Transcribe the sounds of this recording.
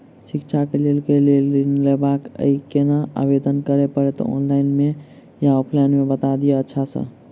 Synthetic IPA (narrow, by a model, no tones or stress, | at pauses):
sikt͡ʃʰakelelkelellebakə̰ikenaa̰bed̪ənkəɾepəɾɛt̪ɔ̰ɔ̰nlainme | jaopʰlajnmebət̪ad̪ijeətːʃʰasə̰̃